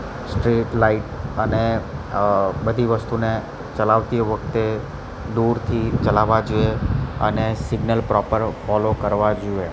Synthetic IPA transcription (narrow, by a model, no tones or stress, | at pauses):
sʈɾiʈlaiʈəne | bəd̪ʱiʋəst̪une | t͡ʃəlaʋt̪ioʋəkʰt̪e | d̪uɾt̪ʰit͡ʃəlaʋad͡ʒueə̰nesɪɡnəlpɾɔpəɾfɔlokəɾʋad͡ʒue